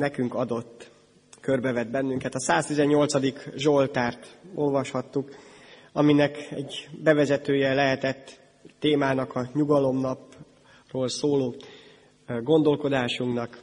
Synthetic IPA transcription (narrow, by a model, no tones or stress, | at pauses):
nɛkyŋkɒd̪o̞t̪ː | kø̞rbɛvɛd̪̚bɛnːyŋkɛt̪ɒsaːst̪izɛɲːo̞lt̪sɒd̪ikʒo̞lt̪aːrt̪o̞lvɒʃhɒt̪ːuk | ɒminɛkɛ̰ɟbɛvɛzɛt̪øːjɛlɛɦɛt̪ɛt̪ː | eːmaːnɒkɒɲuɡɒlo̞mnɒp | roːlsoːloː | ɡo̞nd̪o̞lko̞d̪aːʃuŋknɒk